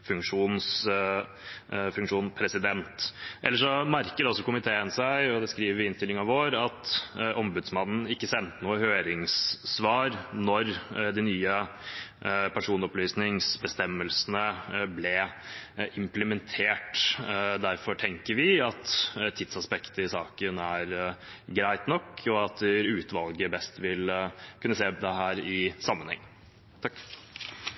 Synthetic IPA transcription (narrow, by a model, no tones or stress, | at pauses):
fʉŋkʂuːns | fʉŋkʂuːnpʰɾɛsɪd̪ɛnt̪ʔɛlːəʂɔmæɾkəd̪ɛɔsɔkʊmɪt̪ʰeːənsæɪɔd̪ɛskɾiːʋəɾʋɪɪnst̪ɪlɪŋɑʋoːɾɑt̪ʔɔmbʉd̪smɑnn̩ɪkːəsɛnt̪ənuːəhøːɾɪŋssʋɑːɾnɔɾd̪ɪnyːə | pʰæʂuːnɔplyːsnɪŋsbəst̪ɛmːəlsnəblɛ | ʔɪmpləmɛnt̪ʰeːʈd̪æɾfɔʈʰɛŋkəɾʋɪɑt̪t̪ʰɪd̪sɑspɛkt̪əɪsɑːkənæɾ | ɡɾæɪt̪nɔkːɔɑt̪ɾʉːt̪ʋɑlɡəbɛst̪ʋɪlkʰʉnːəseːd̪ɛɦæːɾɪsɑmːənhɛ̰ŋː | t̪ʰɑkː